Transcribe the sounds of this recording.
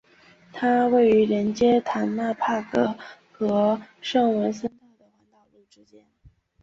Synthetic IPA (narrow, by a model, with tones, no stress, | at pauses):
t̪ʰa˥we˥˩ɪy˧˥ɻə˧˥nt͡ɕjɛ˥t̪ʰa˧˥nna˥˧pʰa˥˩kɤ˥˧˩ | xɤ˧˥ʂɤ˥˩ŋwe˧˥ɪsə˥nt̪ɑ˥˩ʊd̪ə˩wa˧˥nt̪ɑ˨˩ʊlu˥˩ʈ͡ʂɻ̩˥t͡ɕjɛ˥n